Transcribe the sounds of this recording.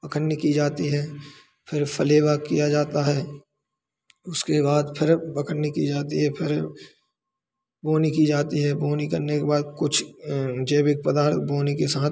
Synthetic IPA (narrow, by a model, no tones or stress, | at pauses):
pɐkʰənnikid͡ʒaːt̪iɦɛː | pʰɪɾpɐleːbakijad͡ʒaːt̪aɦɛː | ʊskebaːd̪pʰɪɾpɐkʰənnikḭd͡ʒaːt̪iɦɛpʰɪɾ | boːnikid͡ʒaːt̪iɦɛboːnikɐɾnekebaːd̪̚kʊt͡ʃʰd͡ʒeːbɪk̚pəd̪aːɾt̪̚bʱoːnikesaːt̪̚ʰ